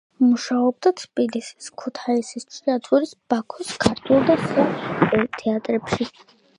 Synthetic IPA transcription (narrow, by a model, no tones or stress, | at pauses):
muʃaɔb̚d̪at̪ʰpʼilisi̥skʰut̪ʰaisist͡ʃʰʼiat̪ʰuɾisb̥akʰɔskʰaɾt̪ʰulˠd̪aχuɛt̪ʰɛat̪ʼɾɛpʃi